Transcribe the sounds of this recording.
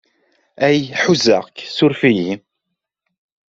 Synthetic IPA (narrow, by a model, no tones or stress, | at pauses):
æjħuzə̰ʁksʊɾfiji